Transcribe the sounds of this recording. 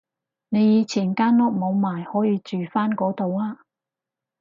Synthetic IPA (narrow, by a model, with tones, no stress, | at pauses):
ne˨˧jiː˨˧t͡sʰiː˨˩nkaː˥nɔː˥k̚mo˨˧wmaː˨˩jhɔː˨˥jiː˨˧t͡ʃyː˨faː˥nkɔː˨˥t̪o˨˧waː˧˥